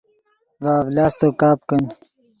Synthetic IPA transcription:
vaːvlaːst̪okaːp̚kən

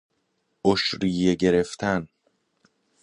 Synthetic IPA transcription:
ʔoʃɾiːjeɡe̞ɾe̞ft̪ʰæn

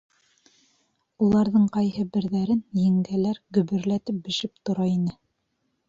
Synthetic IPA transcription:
ulˠɑɾðɤɴqɑjhɤbɘ̆ɾðæɾɘnjɘ̆ŋɡælæɾɡɵ̆βɵ̆ɾlæt̪ɘp̚bɘ̆ʃɘp̚t̪ŏɾɑinɘ

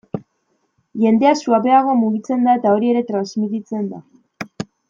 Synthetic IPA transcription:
ʝe̞nd̪e̞asuape̞aɣ̞o̞muɣit͡se̞nd̪aet̪ao̞ɾie̞ɾe̞t̪ɾanzmit̪it͡se̞nd̪a

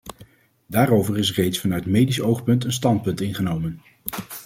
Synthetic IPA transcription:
daːrowvərɪsrejtsfɑnœɥtmejdisowχpɵntənstɑnt̚pɵntɪnχənowmən

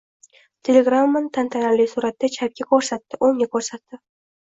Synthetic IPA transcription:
t̪ʲʰe̞lʲeɡɾamːant̪ʰant̪ʰanalɪjsʊɾat̪d̪at͡ʃʰap̚ɡʲakʰɵɾsat̪ːɪʔoŋʲakʰɵɾsat̪ːɪ

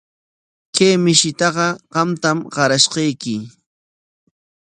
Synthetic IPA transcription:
kejmɪʃɪt̪ɑɢɑɢɑmt̪amɢɑɾaʃɢɑjkɪ

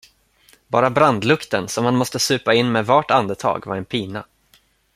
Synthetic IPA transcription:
bɑːɾabɾand̪lɵkt̪ənsɔmhanmɔst̪əsʉ̟ːpaɪnːmɛːvaʈand̪ət̪ʰɑ̰ːɡvaɾɛnpʰiːna̰

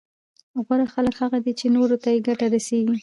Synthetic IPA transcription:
ɣwaɾaxaləkhaɣad̪it͡ʃenoɾot̪ajeɡaʈaɾaseɡi

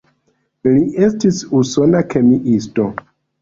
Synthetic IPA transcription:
liʔestisusonakemiʔisto

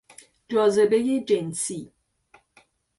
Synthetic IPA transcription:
d͡ʒɔzəbejed͡ʒensi

